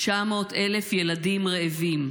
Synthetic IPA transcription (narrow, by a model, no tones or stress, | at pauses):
t͡ʃamo̞ːt̪elefje̞ladimʁeːvim